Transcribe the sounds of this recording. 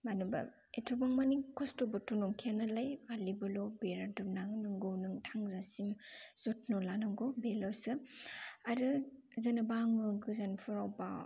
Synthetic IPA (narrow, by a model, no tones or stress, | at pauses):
manuba̰ | etʰɾubaŋmanikʰɔstobɯtʰɔnɔŋkʰianalajɡalibɯlobeɾadumnaŋnɯŋɡownɯŋtʰaŋzasimz̥ɔt̚nɔlanɯŋɡobelasɯ | aɾɯ | zanɯbaŋɯɡɯzanpʰɯɾawba̰